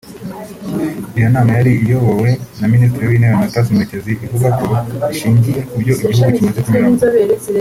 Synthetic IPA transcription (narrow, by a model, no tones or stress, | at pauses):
ijanaːmajaɾiʔijoβowe̞naministɾiwinewenatas̬imeceziʔivuβakoiʃiːɲɟijeuɾɟo̞ʔiɟihuɡucimazekumiɾaɡu